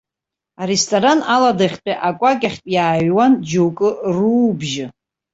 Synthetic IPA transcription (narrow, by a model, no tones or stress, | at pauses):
aɾestʰʼoɾanaladaχʲtʼaʔakʷʼakʲʼaχʲtʼjaːɥwand͡ʒowkʼɨruːbʒɪ